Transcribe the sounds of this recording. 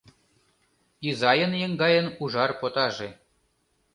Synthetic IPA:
izɑjə̆njeŋɡɑjə̆nuʒɑrpot̪ɑʒĕ

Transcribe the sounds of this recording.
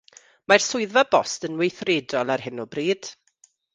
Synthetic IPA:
marsʊɨðvabɔstənwejθreːdɔlˠarhɪnɔbriːd̥

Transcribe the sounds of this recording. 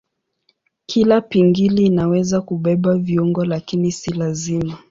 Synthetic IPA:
kʰilapiŋɡiliːnawɛzakuɓɛɓaviuŋɡɔlakinisilazima

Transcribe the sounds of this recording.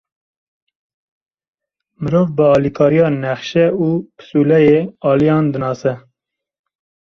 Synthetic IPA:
mɨɾoːvbəɑːlikʰɑːɾijɑːnɛχʃɛuːpʰɨ̥suːlɛjeːɑːlijɑːnd̪ɨnɑːsɛ

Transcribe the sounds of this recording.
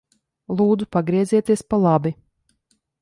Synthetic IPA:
lˠuːd̪zupaɡɾiɛziɛt̪iɛspalˠabi

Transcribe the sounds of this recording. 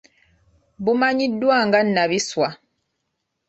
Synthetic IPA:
bumaɲidwaŋɡan̩naβiswa

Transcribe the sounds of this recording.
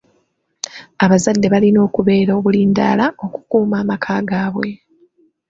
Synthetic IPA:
aβazadːe̞βalino̞ːkuβe̞ːɾo̞βuliːnda̰ːlao̞ku̥kuːmaːmakʰaːɡaːβwe

